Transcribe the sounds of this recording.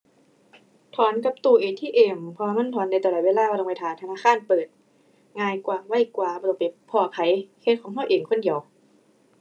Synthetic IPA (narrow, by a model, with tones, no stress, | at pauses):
t̪ʰɔː˨˦nka˧˦p̚t̪uː˧˩ʔeː˨˩t̪ʰiː˧˥˨ʔeː˨˩mpʰɔ˧waː˧ma˧˥˨nt̪ʰɔː˨˦nːa˧jt̪ːlɔː˨˩t̪weː˧˥˧laː˧˥˨waː˧˨lmaː˧˩t̪ʰaː˨˦nt̪ʰa˧naː˧˥˨kʰaː˧˥˨npɤː˨˩t̪̚ | ŋaː˧jkwaː˨˩wa˧˥˨jkwaː˨˩ɔ˧t̪o˧˩pa˨˦pʰɔː˧˩kʰa˨˩˦jkʰe˧˥˩n̚kʰɔː˨˦ŋɦʰa˧˥˩ʔeː˨˩ŋkʰo˧˥˨ndi˨˦əw